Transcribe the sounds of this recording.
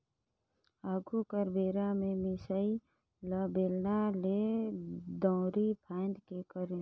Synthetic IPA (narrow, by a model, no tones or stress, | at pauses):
aːɡʱukəɾbeːɾamẽmɪsəi | ləbeːlnale | d̪ɔ̃ːɾipʰaːnd̪kekəɾ